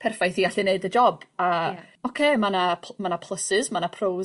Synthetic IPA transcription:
pʰɛrfajθiːɡaɬɪneɨdəd͡ʒɔbaɔkʰeːmanapʰmanapʰlˠəsɪzmanapʰrow

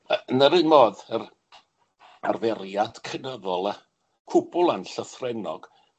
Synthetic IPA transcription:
ənəɾɨːnmoːðər | arvɛrjad̥kʰənəðɔlˠa | kʰʊbʊlˠanɬəθrɛnɔɡ̥

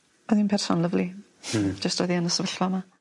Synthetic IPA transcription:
ɔðinpʰɛrsɔnlˠəvlˠi | d͡ʒəstɔjðiənəsəvəɬvama

